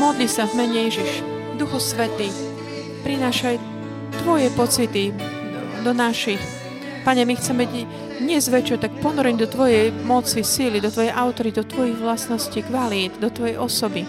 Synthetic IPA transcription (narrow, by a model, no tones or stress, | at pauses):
mɔd̪lisavmɛɲɛjɛʒiʃ | d̪uxɔsʋɛt̪iː | pɾinaːʃaj | t̪ʋɔjɛpɔt͡sit̪i | d̪ɔnaʃix | paɲɛmixt͡sɛmɛɟ | d̪ɲɛzʋɛt͡ʃɔt̪ak̚pɔnɔɾɛɲd̪ɔt̪ʋɔjɛjmɔt͡sisilid̪ɔt̪ʋɔjɛjʔaʊt̪ɔɾid̪ɔt̪ʋɔjiɣʋlasnɔscikʋalid̪d̪ɔt̪ʋɔjɛjʔɔsɔbi